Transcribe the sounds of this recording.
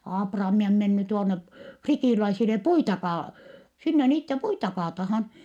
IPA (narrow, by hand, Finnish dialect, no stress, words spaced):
ɑːprɑːmi om menːy tuonːe fritiˑlæisile puitɑ kɑː sinːe niːtːe puitɑ kɑːtɑhɑn